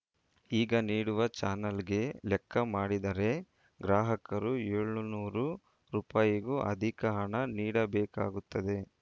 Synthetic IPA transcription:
iːɡɐniːɽuʋɐt͡ʃaːnɐlɡe̞lɛkʰːɐmaːɽid̪ɐɾe̞ | ɡɾaːɦɐkɐɾueːɭunuːɾu | ɾuːpaːjiɡuʔɐ̰d̪ʱikɐɦɐɳɐniːɽɐbɛːka̰ːɡut̪ːɐd̪e̞

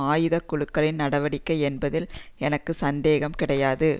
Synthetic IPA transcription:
aːjɯðɐkːʊɻɯkːɐɭɪnnɐɽɐʋɐɽɪkːɐɪɛnbɐðɪlɛnɐkːɯsɐnd̪eːɣɐmkɪɽɐjaːðɯ

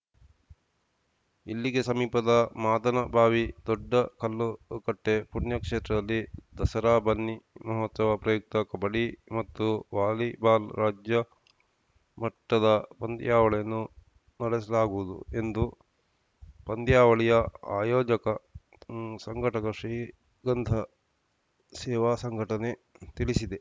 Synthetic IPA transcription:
ḭlːiɡesɐmiːpɐd̪ɐmaːd̪ɐnɐbʱaːʋid̪ɔɖːɐkʰɐlːukɐʈːepuɳjɐkʂeːt̪ɾɐd̪ɐlːid̪ɐsɐɾaːbʱɐnːimɐɦɔt̪sɐʋɐpɾɐjuk̚t̪ɐkɐbɐɽimɐt̪ːuʋaːlibaːlɾaːd͡ʒjɐ | mɐʈːɐd̪ɐpɐnd̪jaːʋɐɭɛjɐnːu | nɐɽɛsɐlaːɡuʋud̪ṵe̞nd̪u | pɐnd̪jaːʋɐɭɛjɐa̰ːjoːd͡ʒɐkɐ | sɐŋɡʱɐʈɐkɐʂɾiː | ɡɐnd̪ʱɐ | sɛːʋaːsɐŋɡʱɐʈɐnet̪iɭisid̪e

